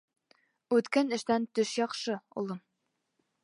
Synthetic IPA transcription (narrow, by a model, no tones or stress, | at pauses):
ʉt̪kænɘ̆ʃt̪ænt̪ɵʃjɒqʃɤṵlˠɤm